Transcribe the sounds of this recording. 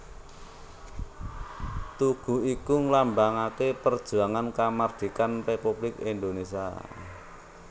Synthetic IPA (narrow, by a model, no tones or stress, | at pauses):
t̪uɡ̥ṳikuŋlambaŋakepərd̥ʒ̥ṳaŋankamard̪̥i̤kanrepub̥lɪkind̪onesia